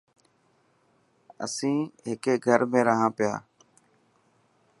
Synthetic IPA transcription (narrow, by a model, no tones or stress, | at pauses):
ə̰sĩːɦɪkeːɡʱəɾmẽːɾəɦãːpɪja̰ː